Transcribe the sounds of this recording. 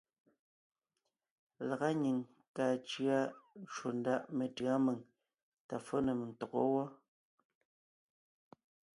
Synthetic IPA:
la˨ɣa˦ɲi˨ŋ | kaː˨t͡ʃɰa˦t͡ʃu˨n̩˦da˦˨ʔme˨tɯ˨a˦me˨ŋ | ta˨fo˦ne˨m˨n̩˨tɔ˨kɔ̰˦wɔ˦

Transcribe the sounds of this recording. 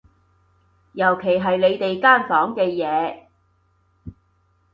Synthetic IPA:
jɐ˨˩wkʰe˨˩jɦɐ˨jle˨˧jt̪e˨jkaː˥˩nfɔː˨˥ŋkɛː˧jɛː˨˧

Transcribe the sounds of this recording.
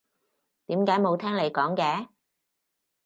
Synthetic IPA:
t̪iː˨˥mkaː˨˥jmo˨˧wt̪ʰɛː˥ŋle˨˧jkɔː˨˥ŋkɛː˨˥

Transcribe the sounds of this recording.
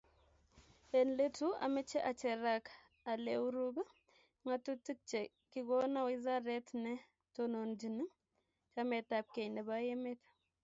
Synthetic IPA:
e˨nle˦tu˦a̰˨mɛ˦t͡ʃɛ˦ʔa˨t͡ʃɛ˨ɾa˨k | a˨le˨u˦ɾu˦ɡa˦ | ŋa˦tu˦ti˦t͡ʃɛ˨ | ki˦ɡɔ˦na˦wi˦za˦ɾɛ˦tnɛ˦ | to˦no˨nd͡ʒi˨ni˦ | t͡ʃa˦mɛ˨ta˨p̚ke˨nɛ˨ba˦je˦me˦tḁ˦

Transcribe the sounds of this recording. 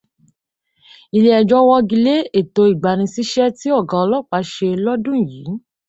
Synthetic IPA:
i˨le˧˦ɛ˨d͡ʒɔ̃˧˦wɔ̃˧ɡi˧le˦e˦˨to˨˧˦i˨ɡ͡ba˨ɾ̃ĩ˧si˦ʃɛ˦ti˦ɔ˦˨ɡã˨ɔ˧lɔ˦˨k͡pa˨˦ʃe˧lɔ˦dũ˦˨jiː˨˦

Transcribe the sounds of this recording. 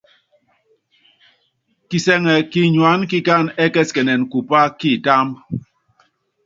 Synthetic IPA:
ki˨sɛ˨ŋɛ˨ki˦ɲwa˨˦nki˦ka˦˨nɛ˦kɛ˦skɛ˨nɛ˨nku˨pa˦ki˦˨ta˦mb

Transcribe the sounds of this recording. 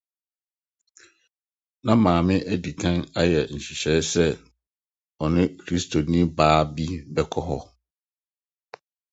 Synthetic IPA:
nã˦mãː˨mɪ̃˦ʔæ˦di˨kʰã˦na˦jɛ˨n̩˨ɕi˨ɕɛ˦sɛ˦ | ɔ˨nɪ̃˦kʰɾi˦stʰo˨nĩ˦baː˦bi˦bɛ˦kʰɔ˦ɦɔ˦

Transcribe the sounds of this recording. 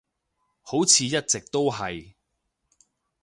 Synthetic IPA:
ho˨˥wt͡sʰiː˨˧jɐ˥t̚t͡sɪ˨k̚t̪o˥wɦɐ˨j

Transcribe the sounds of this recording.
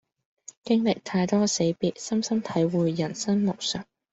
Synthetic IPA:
kɪ˥ŋlɪ˨k̚t̪ʰaː˧jt̪ɔː˥se˨˧jpiː˧t̚sɐ˥msɐ˥mt̪ʰɐ˨˥jwuː˨˧jːɐ˨˩nsɐ˥nmo˨k̚sœː˨˩ŋ̚

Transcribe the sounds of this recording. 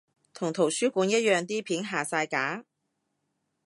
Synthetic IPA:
t̪ʰʊ˨˩ŋt̪ʰo˨˩wsyː˥kuː˨˥njɐ˥t̚jœː˨˧ŋt̪iː˥pʰiː˨˥nɦaː˨saː˧jkaː˨˥

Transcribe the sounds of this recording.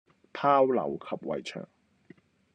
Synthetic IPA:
pʰaː˥wlɐ̰˨˩wkʰɐ˨p̚wɐ̰˨˩jt͡ʃʰœ̰ː˨˩ŋ

